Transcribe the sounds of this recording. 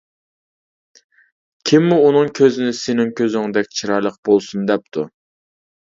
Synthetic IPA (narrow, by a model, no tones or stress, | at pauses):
kʲʰimːuunɨŋkʲʰøzɪnɪsɪnɪŋkʲʰøzɪŋd̪ɛkʲt͡ʃʰiɾɑɾlˠəq̚bolˠsund̪ɛp̚t̪ʰu